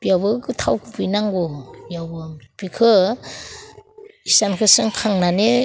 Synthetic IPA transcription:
bijawbɯɡɯtʰawkʰɯbɯjnaŋɡɔjawbɯb̥ikʰɯ | isankʰɯsɯŋkʰaŋnane

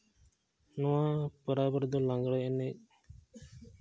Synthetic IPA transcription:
nɔwãpəɾabəɾd̪ɔlãŋɡɽajɛnɛc̚

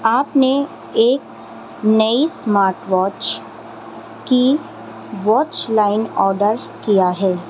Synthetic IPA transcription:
aːpne | eːk̚ | nɐismaːɾʈʋɔːt͡ʃ | ki | ʋɔːt͡ʃlaːɪnɔːɾɖəɾ | kijaɦɛː

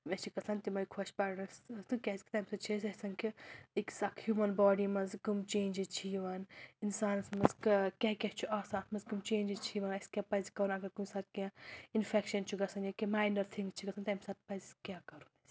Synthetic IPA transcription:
met͡ʃʰikɐsɐnt̪imɐjkʰoʃpaɾnɐɾst̪ukʲɛzʲki̥t̪ɐmʲsɐt͡ʃʰisɐsɐnkiiksɐkhjumɐnbɔːɖimɐzɡumt͡ʃeːnd͡ʒizt͡ʃʰiʋɐninsaːnsmɐzkɐkʲɛkʲɛt͡ʃʰuʔaːsaːt̪ʰmɐzɡumt͡ʃeːnd͡ʒizt͡ʃʰiʋɐnɐskʲɛpɐzkɐɾunɐɡɐɾkumsaɾkẽinfʰekʃɐnt͡ʃʰuɡɐsɐnjɐkemaːjnɐɾt̪ʰiŋɡt͡ʃʰiɡɐsɐnt̪ːmsɐt̪pɐzkʲakɐɾunɐsʲ

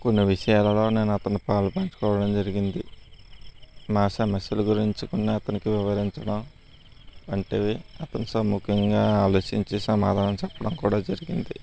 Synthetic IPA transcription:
ko̞nːiʋiʂɐjaːlɐlo̞ːne̞ːnɐt̪ɐnupaːlɐpɐːɲt͡ʃu̥kɔːʋɐɽɐmd͡ʒɐɾiɡind̪i | maːsɐmɐsjɐluɡuɾiɲt͡ʃikonːiɐt̪ɐnikiʋiʋɐɾiɲt͡ʃɐɽɐm | ɐɳʈeːiɐt̪ɐnisɐmukʰjɐŋɡaːaːlo̞ːʃiɲt͡ʃisɐmaːd̪ʱaːnɐmt͡ʃɛpːɐɽɐmkuːɽaːd͡ʒɐɾiɡind̪i

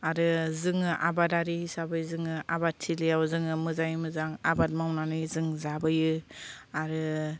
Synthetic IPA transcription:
aɾɯzɯŋɯʔa̰badaɾihisabɯjzɯŋɯʔabat̚tʰiliawzɯŋɯmɯzajmɯzaŋabat̚mawnanɯjzɯŋzabɯjɯaɾɯ

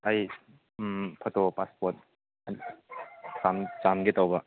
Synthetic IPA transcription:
aj | pʰɐtopaspɔɾt̚ | samt͡ʃamɡetawbɐ

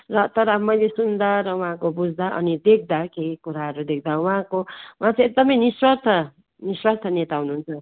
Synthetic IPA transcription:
rʌt̪ʌɾʌmʌjlesund̪aɾʌwɦãkobud͡zʱd̪aʔʌ̰nid̪ek̚ʰd̪akekuɾaɦʌɾud̪ek̚ʰd̪awuɦãkowãt͡sʰek̚d̪ʌmʌjniswʌrt̪ʰʌ | niswʌrt̪ʰʌnet̪aɦunuɦunt͡sʰʌ

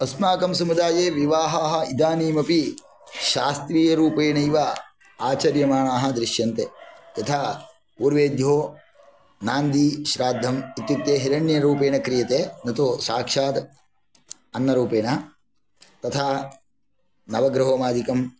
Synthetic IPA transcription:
ɐsmaːkɐmsɐmud̪aːjeːʋiʋaːɦaːɦɐ̆id̪aːniːmɐpi | ʃaːst̪ɾiːjɐɾuːpeːɳɐiʋa | aːt͡ʃɐɾjɐmaːɳaːɦɐ̆d̪ɾɪʃjɐnt̪ejɐt̪ʰaː | uːɾʋeːd̪joː | naːnd̪iʃɾaːd̪ʱːɐmit̪jut̪jeːɦiɾɐɳːjɐɾuːpeːɳɐkɾijɐt̪eːnɐt̪usaːkʂaːd̪ | ɐnːɐɾuːpeːɳɐ | t̪ɐt̪ʰaː | nɐʋɐɡɾɐɦoːmaːd̪ikɐm

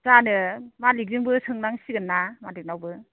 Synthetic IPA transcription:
zanɯmalik̚zɯŋbɯsɯŋnaŋsiɡɯnːamalik̚nawbɯ

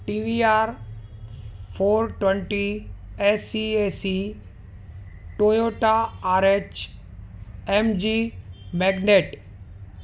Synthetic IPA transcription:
ʈiʋiaɾ | pʰoːɾʈwẽɳʈiesiesi | ʈojoʈaːɾet͡ʃ | ɛmd͡ʒimɛɡneʈ

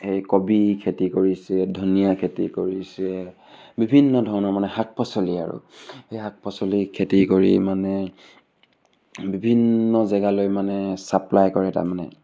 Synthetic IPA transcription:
hejkɔbikʰetikoɹisɛdʱunijakʰetḭkoɹisɛ | bibʱinːɔdʱɔɹɔnɔɹmanɛhak̚pʰɔsɔlia̰ɹʊ̰hejɦak̚pɔsɔlikʰetikoɹḭmanɛ | bibʱinːɔzɛɡalojmanɛsaplajkɔɹɛta̰ɹmanɛ̰

